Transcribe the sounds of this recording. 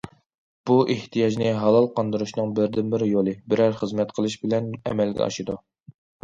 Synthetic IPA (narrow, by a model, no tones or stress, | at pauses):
b̥uʔeht̪ʰijɑd͡ʒnɪɦɑlˠɑlˠqɑnd̪ɨɾuʃnɨŋbɪɾd̪ɪnbɪɾjolˠɨbɪɾæɾχəzmɛt̪qʰəlˠɨʃbɪlɛnɛ̰mɛlɡʲɛ̰ɑ̰ʃɨd̪u